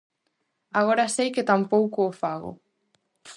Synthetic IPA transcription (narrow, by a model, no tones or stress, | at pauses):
aɣoɾasejkɪt̪ampowkʊːfaɣʊ̰